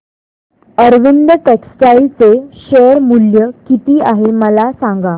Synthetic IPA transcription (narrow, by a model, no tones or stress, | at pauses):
əɾʋind̪əʈeksʈailt͡seɕeəɾmuljəkit̪iːaɦeməlasãŋɡa